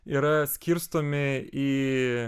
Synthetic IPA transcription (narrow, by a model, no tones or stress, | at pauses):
iːɾɐsʲkʲiɾst̪oːmʲɪiː